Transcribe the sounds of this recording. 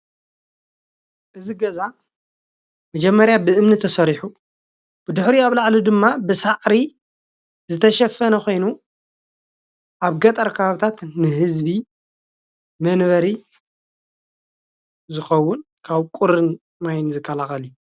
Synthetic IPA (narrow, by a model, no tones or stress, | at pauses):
ʔɨziɡɐza | mɐd͡ʒɛmːɐɾjabɨʔɨmnɨt̪ʰɐsɐɾiħu | b̥ɨd̪ʊħɾiaβlaʕlud̪ɨmːabɨsaʔɾi | zɨt̪ʰɐʃɐfːɐnɐxʷo̞jnu | ʔaβɡɐt̪ʼɐɾkʰɐβaβɨt̪ʰat̪nɨɦɨzbi | mɐnβɐɾi | zɨxɐwːʊnkʰaβkʼuɾɨn | majnzɨkʰːɐlaxɐliju